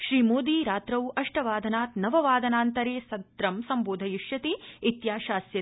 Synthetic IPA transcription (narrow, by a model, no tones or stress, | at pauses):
ʃɾiːmoːd̪iːɾaːt̪ɾɐwɐʂʈɐʋaːd̪ʱɐnaːt̪nɐʋɐʋaːd̪ʱɐnaːnt̪ɐɾeːsɐd̪ɾɐmsɐmboːd̪ʱɐjiʃjɐt̪iit̪jaːʃaːsjɐ